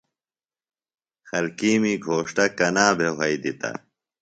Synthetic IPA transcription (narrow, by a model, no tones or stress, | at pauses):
xɐlkiːmiːɡʱoːʂʈɐkɐnaːbʱeɦɐid̪it̪ɐ̰